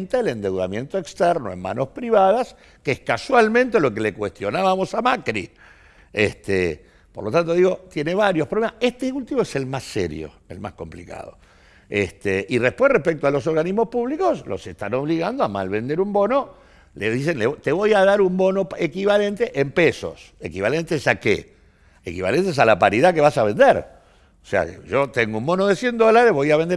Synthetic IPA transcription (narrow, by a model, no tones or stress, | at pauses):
nt̪elend̪e̞wðamje̞nt̪oekst̪ɛɾnoḛmma̰nospɾiβaðas | keehkaswalmẽnt̪e̞lo̞kelekwe̞st̪jo̞naβamo̞samakɾḭ | est̪e | poɾlo̞t̪ant̪o̞ðiɣo̞t̪je̞ne̞βaɾjo̞hpɾoemaseht̪eult̪iβoese̞lmasḛɾjo̰ | ḛlma̰sko̞mplika̰ð̞o̞̰ | est̪eʔirehpwe̞hrehpek̚t̪oalo̞s̬o̞ɾɣaniɦmospuβliko̞slo̰sest̪anoβ̞liɣand̪oama̰lβe̞nd̪e̞ɾumbo̞no̞ | leðis̬enlet̪e̞βo̞jaðaɾumbo̞noekiβale̞nt̪eʔempeso̞̰sekiβale̞nt̪esakḛ | ekiβa̰lent̪es̬alapaɾiðakeβasaβe̞nd̪eɾ | osḛa̰ʒo̞t̪eŋɡoumbo̞noðesje̞nd̪o̞laɾeɦβo̞jaβend̪e